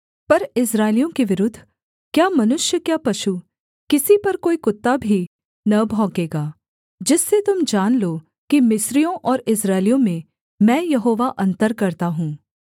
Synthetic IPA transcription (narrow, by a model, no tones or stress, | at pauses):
pɐɾɪs̬ɾaːɪlijõkeʋɪɾʊd̪ʱː | kjaːmɐnʊʃjəkjaːpɐʃu | kɪsipɐɾkoːikʊt̪ːabʱi | nɐbʱɔ̃ːkeːɡaː | d͡ʒɪsːet̪ʊmd͡ʒaːnlo | kimɪsɾijõʔɔːɾɪs̬ɾaːɪlijõmẽ | mɛ̃ːjɐɦoːʋaʔɐ̃nt̪əɾkɐɾt̪aɦũː